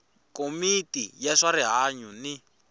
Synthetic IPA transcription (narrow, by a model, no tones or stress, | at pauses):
komitijɛʂaɾiɦaɲuni